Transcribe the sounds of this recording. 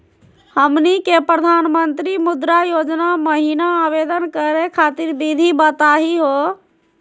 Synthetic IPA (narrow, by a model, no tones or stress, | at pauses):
həmnikepɾəd̪ʱaːnmənt̪ɾimʊd̪ɾajod͡ʒnaməɦinaːbed̪ənkəɾekʰat̪iɾbid̪ʱibət̪aɦiɦo